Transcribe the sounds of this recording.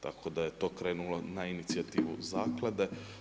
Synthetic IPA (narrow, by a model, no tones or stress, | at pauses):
t̪a̰kʰo̞d̪aje̞t̪o̞ːkɾe̞ːnulo̞nainit̪sijat̪iːʋṵzaːklˠad̪e̞